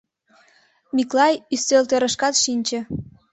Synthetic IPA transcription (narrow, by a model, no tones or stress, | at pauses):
miklɑjysølt̪øɾə̆ʃkɑt̪ʃinʲt͡ɕə̆